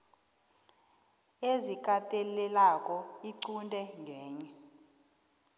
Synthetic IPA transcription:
ezik̬ʼatʼelɛlakʼɔiǀundʱʼɛŋɡʱɛːɲɛ

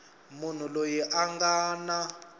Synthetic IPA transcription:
mun̤ulojiʔaŋɡaːna

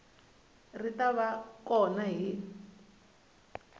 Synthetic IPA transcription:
ritaβakɔnaɦi

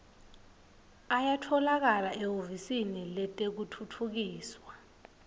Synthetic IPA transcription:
ajatʰɔlak̬alaʔɛɦovisinilɛtʼek̬utʰutʰuk̬iːswa

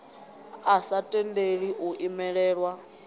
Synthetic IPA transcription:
asatʼɛndeɺiʔuʔimɛɺɛːɺwa

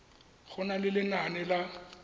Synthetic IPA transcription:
ɣʊnalɪlɪnanɪla

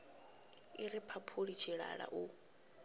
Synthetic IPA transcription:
iɾipʰapʰuɺit͡ʃʰiɺa̰ɺa̰ʔu

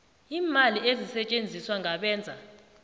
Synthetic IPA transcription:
iːmaliezisɛt͡ʃʼend͡zʱiswaŋʱaɓɛːnd͡zʱa

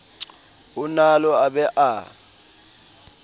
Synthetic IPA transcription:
unalɔaɓɛʔa

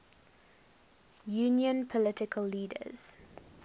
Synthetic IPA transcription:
juːnjə̃npʰɔlɪtɪkʰəlːiːdə̰z̥

